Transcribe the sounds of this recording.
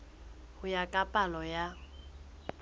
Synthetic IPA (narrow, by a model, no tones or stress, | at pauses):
hʊjakʼapʼalɔja